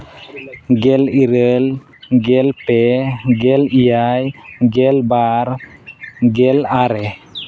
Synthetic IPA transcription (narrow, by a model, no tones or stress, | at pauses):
ɡɛliɾəl | ɡɛlpɛɡɛlijajɡɛlbaɾ | ɡɛlaɾɛ